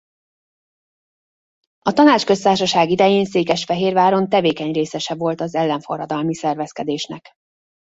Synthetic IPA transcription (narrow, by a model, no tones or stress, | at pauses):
ɒt̪ɒnaːt͡ʃkø̞st̪aːrʃɒʃaːɡid̪ɛjeːnseːkɛʃfɛɦeːrvaːɾo̞nt̪ɛveːkɛɲreːsɛʃɛvo̞lt̪ɒzɛlːɛɱfo̞̰rːɒd̪ɒlmisɛrvɛskɛd̪eːʃnɛ̰k